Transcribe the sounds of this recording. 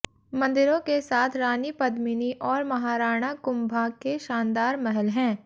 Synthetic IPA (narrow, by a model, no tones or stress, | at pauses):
mɐ̃nd̪ɪɾõkesaːt̪ʰɾaːnipɐd̪mɪniʔɔːɾmɐɦaːɾaːɽ̃akʊmbʱakeʃãːnd̪aːɾmɛɦɛlɦɛ̃ː